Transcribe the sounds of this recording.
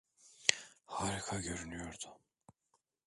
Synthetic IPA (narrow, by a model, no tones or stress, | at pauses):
haːɾikʰaɟøɾynyjo̞ɾd̪ʊ